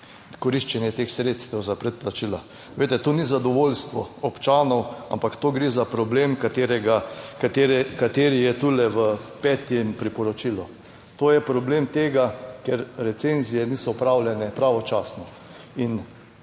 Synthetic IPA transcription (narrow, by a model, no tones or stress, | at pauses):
kɔɾiʃt͡ʃɛnjɛt̪exsɾet̪st̪ɛwzapɾɛt̪̚plat͡ʃila | ʋeːt̪ɛt̪onizad̪ɔʋoːlst̪ʋɔɔpt͡ʃaːnɔwa̰mpakt̪oːɡɾezapɾɔbleːmkat̪eɾɛɡakt̪eɾɛkat̪eːɾijɛt̪uːlɛʋəpɛːt̪jɛmpɾipɔɾɔt͡ʃilɔ | t̪oːjɛpɾɔbleːmt̪eːɡakɛɾɾɛt̪senzijɛniːsɔpɾawljɛnɛpɾaːʋɔt͡ʃaːsnɔ | in